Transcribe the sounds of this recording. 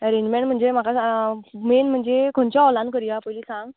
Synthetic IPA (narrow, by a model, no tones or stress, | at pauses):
əɾẽɲd͡ʑmẽɳʈm̤əɳd͡zem̤akaamenm̤əɳd͡zekʰoɳt͡ɕjaɔlãnkəɾijapəjliːsãŋɡ